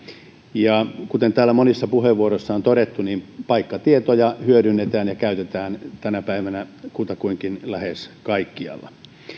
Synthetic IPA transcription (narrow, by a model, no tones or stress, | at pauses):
jɑkut̪ent̪æːlːæmonisːɑpuheʋʋuoɾoisːɑont̪oɾet̪ːunimpɑikːɑt̪iet̪ojɑhyøɾynːet̪æːnjɑkæyt̪et̪æːnt̪ænæpæiʋænækut̪ɑkuiŋkinlæheskɑikːiɑ̰lːɑ̰